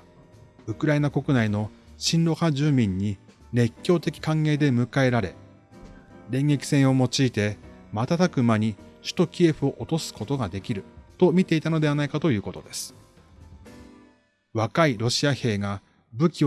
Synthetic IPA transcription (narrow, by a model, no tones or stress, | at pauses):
ɯ̟kɯ̟ɾaenako̞kɯ̟naino̞ɕĩnɾo̞had͡ʑɨːmʲĩɲ̟ːi | ɾe̞kʲːo̞ːt̪e̞kʲi̥kãŋɡe̞ːd̪e̞mɯ̟kae̞ɾaɾe̞ | ɾẽ̞ŋɡe̞kʲi̥sẽ̞ɰ̃o̞mo̞t͡ɕiːt̪e̞mat̪at̪akɯ̟maɲ̟iɕɨ̥t̪o̞kʲie̞ɸɯ̟o̞ʔot̪o̞sɨ̥ko̞t̪o̞ɡad̪e̞kʲiɾɯ̟t̪o̞mʲit̪e̞it̪ano̞d̪e̞β̞anaikat̪o̞jɯ̟ːko̞t̪o̞̰d̪e̞sɨ̥ | βakaiɾo̞ɕiahe̞ːɡa | bɯ̟kʲi